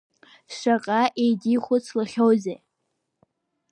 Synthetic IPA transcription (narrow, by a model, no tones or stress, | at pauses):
ʃʷaqʼaʔejdiχʷʊt͡sʰlɨχʲowze